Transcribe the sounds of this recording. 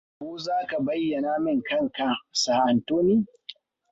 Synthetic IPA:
kʷoː˦zaː˦ka˨bɐ˦jːɐ˨na˦mɪ˦˨ŋkɐ˦˨ŋka˨saː˨ʔa˨ntoː˦niː˦

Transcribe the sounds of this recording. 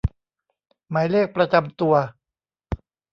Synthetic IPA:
maː˩˦jleː˥˩k̚pɾa˧t͡ɕa˧mt̪u˧ɐ

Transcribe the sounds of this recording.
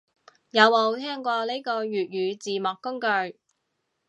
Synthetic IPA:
jɐ˨˧wmo˨˧wt̪ʰɛː˥ŋkʷɔː˧le˥jkɔː˧jyː˨t̚jyː˨˧t͡siː˨mɔː˨kːʊ˥ŋkɵ˧ɥ

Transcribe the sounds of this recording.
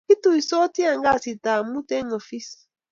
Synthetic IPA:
i˦tu˦˨i˨sɔ˦ti˦a˨ŋɡa˦˨si˨ta˨mu˦tɛ˦ŋo˨fi˦s

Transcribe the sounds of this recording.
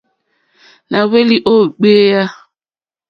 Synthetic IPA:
na˨we˦li˦ʔo˦˨ɡ͡be˦ja˦

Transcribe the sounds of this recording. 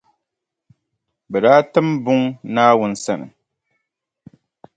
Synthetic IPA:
bɛ˨daː˦tɨ˦mbʊ˦ŋnaː˦wʊ˦n̩˦sa˦nɨ̰˨

